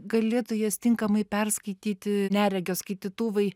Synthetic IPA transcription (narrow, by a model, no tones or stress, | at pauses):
ɡɐlʲeːt̪oːjɛst̪ʲɪŋkɐmɐɪpʲɛrskɐɪt̪ʲiːt̪ʲɪnʲæːɾʲɛɡʲoːskɐɪt̪ʲiːt̪uʋɐɪ